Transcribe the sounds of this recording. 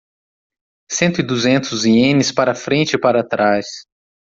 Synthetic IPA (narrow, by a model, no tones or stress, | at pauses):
sẽnt̪ʊɪd̪uzẽnt̪ʊziẽnɪspaɾɐfɾẽnt͡ʃɪpaɾat̪ɾas